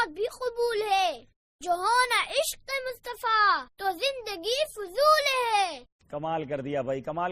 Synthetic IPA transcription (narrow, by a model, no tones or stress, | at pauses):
t̪̚bʱiqʊbuːlɦɛː | d͡ʒoːɦoːnaʔɪʃqːemʊst̪əfaːt̪ozɪ̃nd̪əɡifʊzuːlɦɛ | kɐmaːlkɐɾd̪ijaːbʱɐikɐmaːl